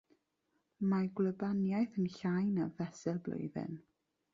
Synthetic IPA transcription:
maɡləbanjajθənɬajnavɛsɪlˠblo̰ɨðɪ̰n

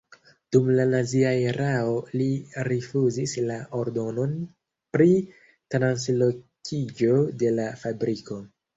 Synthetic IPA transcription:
d̥umlanaziaeɾao̞liɾifuzislaʔoɾdo̞no̞n | pɾi | tɾanslo̞kʰid͡ʒo̞de̞lafabɾiko̞

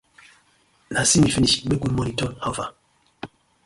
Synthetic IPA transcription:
nasimifiniɓeɡunmonitɔnhava

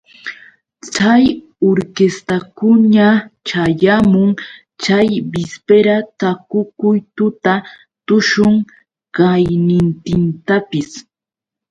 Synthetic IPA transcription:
t͡saj | oɾkest̪akʊɲat͡ʃajamʊŋ | t͡ʃajbɪspeɾat̪akʊkʊjt̪ʊt̪a | t̪ʊʃʊŋ | ɢajnɪnt̪ɪnt̪apɪs

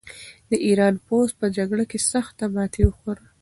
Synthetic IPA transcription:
d̪əʔiɾɑnpos̚pəd͡ʒaɡɽakesaxt̪ːabɑt̪ʰewəxoɾə

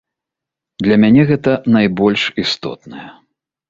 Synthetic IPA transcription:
d̪lʲɐmʲanʲɛɣɛt̪ɐnajbɔlʲʂist̪ɔ̰t̪̚nɐjɐ

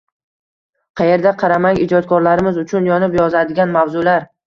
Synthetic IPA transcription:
qʰɑje̞ɾd̪aqʰɑɾamaŋɪd͡ʒɒt̪̚kʰɒɾlaɾɪmɪzʊt͡ʃʰʊnjɒnɪpjɒzad̪ɪɡʲanmavzʊlaɾ

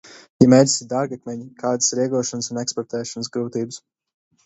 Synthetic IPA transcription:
jamɛjd̪i̥sʲid̪aɾɡak̚mʲɛɲikʰaːd̪ɨsɾiɛɡuɔʃɔnəsunɛkspɔɾt̪ɛːʃɔnəsɡɾuːt̪iːbɨs

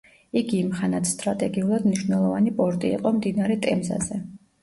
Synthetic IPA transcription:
iɡiːmχanat̪ʰst̪ʼɾat̪ʼɛɡiulˠad̪mniʃwnɛlˠɔvanipʼɔɾt̪ʼḭːqʼɔmd̪inaɾɛt̪ʼɛmza̰zɛ

